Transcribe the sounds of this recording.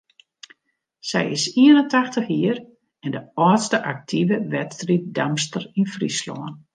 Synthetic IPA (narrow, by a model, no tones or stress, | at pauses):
sɛ̰jɪsiənəntaxtəxiər | ɛndəɔːtstəʔak̚tʰivəʋɛtstrit̚damstərinfrislɔ̰ːən